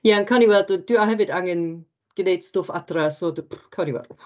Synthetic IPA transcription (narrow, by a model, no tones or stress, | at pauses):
jankʰaniwɛldd̥uaɦɛvɨdaŋɛn | ɡ̥nejd̥stʊfadrasodpkʰawniwɛ̰lˠd